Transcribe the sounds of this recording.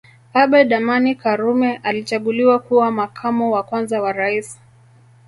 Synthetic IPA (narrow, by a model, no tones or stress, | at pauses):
aɓɛɗamanikaɾumɛʔalit͡ʃaɠuliwakuwamakʰamɔwakwanzawaɾais